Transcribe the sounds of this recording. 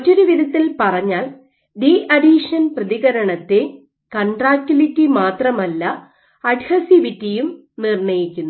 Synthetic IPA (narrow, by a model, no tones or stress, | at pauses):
ɐt͡ɕːuɾuʋiðɐt̪ːilpɐrɐɲːaːl | ɖiʔɐɖiʂɐnprɐðiɣɐɾɐɳɐt̪ːe | kɐɳɖraːkʲːulitːimaːt̪rɐmɐlːɐ | ɐɖhɐsiʋitːijum | nirɳɐjikʲːunːu